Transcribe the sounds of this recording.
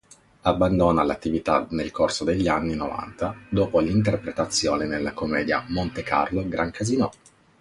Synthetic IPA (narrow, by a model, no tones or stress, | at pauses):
abːand̪oːnalat̪ːivit̪anelkorsod̪eʎːianːinova̰nt̪ad̪oːpolint̪erpɾet̪at̪sːjoːnenelːakomːɛːd̪ja̰mont̪eka̰rloɡɾʔaŋkʰazinɔ